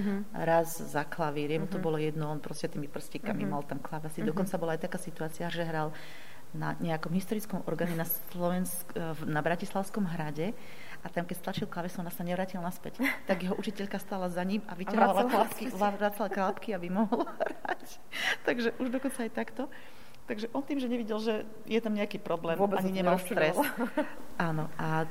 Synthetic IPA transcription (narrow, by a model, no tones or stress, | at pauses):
ɾaz | zaklaʋiɾɪɛmut̪ɔbɔlɔjɛd̪nɔmpɾɔscɛt̪iːmipr̩scikamimalt̪amklaʋɛsid̪ɔkɔnt͡sabɔlajt̪akaːsit̪uaːt͡siaʒɛɦɾal | na̰ɲɛakɔmɦist̪ɔɾit͡skɔmɔ̰ɾɡaːɲɛnas | lɔʋɛnsknabɾacislˠaʊskɔmɦɾaɟɛ | ʔat̪amkɛcst̪lat͡ʃilklˠaʋɛsiɔnasaɲɛʋɾaːcilnaspɛct̪aɡjɛɦɔʔut͡ʃicɛʎkast̪aːlazaɲimaʋiaɾʋalalakiaɾaːt͡salaklapkiabimɔɦlɔhɾac | t̪aɡʒɛʔuʒd̪ɔkɔnt͡saːjt̪akt̪ɔ | t̪aɡʒɛʔɔnt̪iːmʒɛɲɛʋiɟɛlʒɛ | jɛt̪amɲɛakiːpɾɔblɛːmaɲiɲɛmalst̪ɾɛs | ʔaːnɔʔa